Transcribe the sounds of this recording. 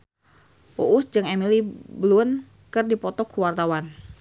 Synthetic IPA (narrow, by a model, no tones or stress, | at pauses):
ʔuʔusd͡ʒɨŋɛmiliblun | kɨrdipɔt̪ɔkuwart̪awan